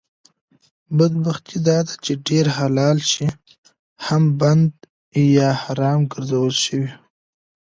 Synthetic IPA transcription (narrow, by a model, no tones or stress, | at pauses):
bad̪̚baxt̪ʰid̪ɑd̪at͡ʃeɖeɾhalɑlʃi | hamband̪ | jɑhɑɾɑmɡəɾzawəlʃəwi